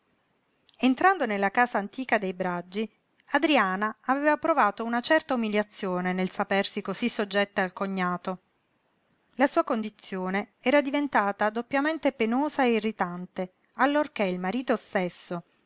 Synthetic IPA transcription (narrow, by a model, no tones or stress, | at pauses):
ent̪ɾand̪onelːakaːsaːnt̪iːkad̪ejbɾad͡ʒːi | ad̪ɾiaːnaːveːvapɾovaːt̪ounat͡ʃɛrt̪aumiljat̪sːjoːnenelsapersikosisːod͡ʒːɛt̪ːaːlkoɲːaːt̪o | lasuːakond̪it̪sːjoːneɛːɾad̪ivent̪aːt̪ad̪opːjament̪epenoːzaeirːit̪ant̪e | alːorkeilmaɾiːt̪ost̪esːo